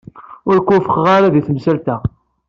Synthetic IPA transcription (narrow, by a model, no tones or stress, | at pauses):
ʊɾkʷːʊfəχʁaɾaðiθəmsælt̪æ